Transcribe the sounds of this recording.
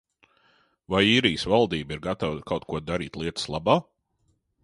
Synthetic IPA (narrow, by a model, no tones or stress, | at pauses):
vajiːɾijsvalˠd̪iːbiɾɡat̪avkawt̪̚kuɔd̪aɾḭːt̪ʲlˠiɛt̪ə̥slˠabaː